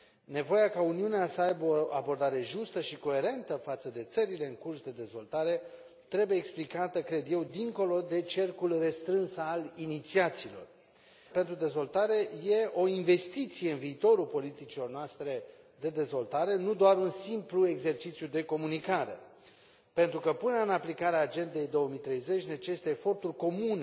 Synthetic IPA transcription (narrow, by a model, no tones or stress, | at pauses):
ne̞vo̞jakauniuneasəajbəoa̰bo̞rd̪aɾe̞ʒust̪əʃiko̞e̞ɾe̞nt̪əfat̪səd̪e̞t̪səɾile̞ɨŋkursd̪e̞d̪e̞zvo̞lt̪aɾe̞ | t̪ɾe̞bujeːksplikat̪əkɾe̞d̪je̞wd̪iŋko̞lo̞d̪e̞t͡ʃe̞rkulre̞st̪ɾɨnsalinit̪siat̪siːlo̞̰r | pe̞nt̪ɾud̪e̞zvo̞lt̪aɾe̞je̞o̞inve̞st̪it̪sije̞ɨnviːt̪o̞ɾulpo̞lit̪it͡ʃilo̞rnoast̪ɾe̞ | d̪e̞d̪e̞zvo̞lt̪aɾe̞nud̪oaɾunsimplue̞ɡze̞rt͡ʃit̪sjud̪e̞ko̞munikaɾe̞̰ | pe̞nt̪ɾukəpɨnəɨnaplikaɾeaːd͡ʒe̞nd̪e̞jd̪o̞wəmit̪ɾe̞jze̞t͡ʃʲnet͡ʃe̞st̪eːfo̞rt̪urʲko̞mune